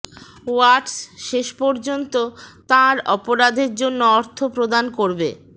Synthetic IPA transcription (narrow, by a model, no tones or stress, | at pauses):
waʈsʃeʃpɔɾd͡ʑont̪ot̪ãɾɔpoɾad̪ʱeɾd͡ʑonːoɔɾt̪ʰopɾod̪ankoɾbe